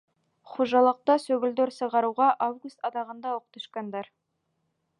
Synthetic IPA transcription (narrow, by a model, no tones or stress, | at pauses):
χoʒɑlˠəq̚t̪ɑsɵɡɪ̆ld̪eɾsə̆ʁɑɾuʁɑʔavɡust̪ɑd̪ɑʁənd̪ɑwoqt̪ə̆ʃkɑnd̪ɑɾ